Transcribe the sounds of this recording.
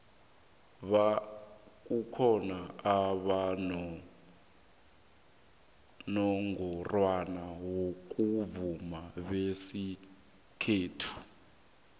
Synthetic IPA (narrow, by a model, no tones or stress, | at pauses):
βa | k̬ʼukʰɔnaaβanɔ | nɔŋɡɔrwanawok̬ʼuvumaβesi | kʰeːtʰu̥